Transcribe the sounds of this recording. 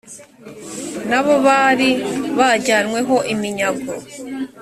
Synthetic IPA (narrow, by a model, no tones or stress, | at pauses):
naβo̞βaɾiβaɟaːnwe̞ɦo̞ʔimiɲaɡo̰